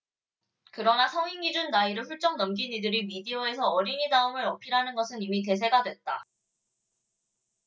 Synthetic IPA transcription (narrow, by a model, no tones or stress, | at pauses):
kɯɾʌnasʰʌŋiŋid͡ʑunːaiɾɯɭɸuɭt͡ɕ͈ʌŋnʌmɡinidɯɾimidiʌe̞sʰʌːɾiɲinaɯmɯɾʌpʰiɾɦanɯnɡʌsʰɯnimit̬e̞s̬ʰe̞ɡadwe̞t̚t͈a̰